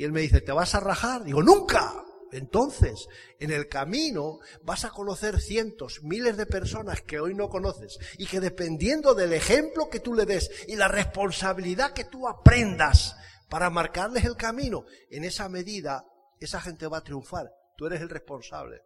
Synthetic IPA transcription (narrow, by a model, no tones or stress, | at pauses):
ie̞lme̞ðiθe̞t̪e̞βasaraxaɾðiɣo̞nũŋka̰e̞nt̪o̞nθe̞s | e̞ne̞lkamĩno | basako̞no̞θe̞ɾθje̞nt̪o̞zmile̞zðe̞pe̞ɾso̞naske̞o̞jno̞ko̞no̞θe̞sike̞ðe̞pe̞nd̪je̞nd̪o̞ðe̞le̞xe̞mplo̞ke̞t̪ule̞ðe̞silare̞spo̞nsaβiliðake̞t̪uapɾe̞nd̪aspaɾamaɾkaɾle̞se̞lkamĩnoe̞ne̞same̞ðiða | e̞saxe̞nt̪e̞βat̪ɾjuɱfaɾ | t̪ue̞ɾe̞se̞lre̞spo̞nsa̰βle̞̰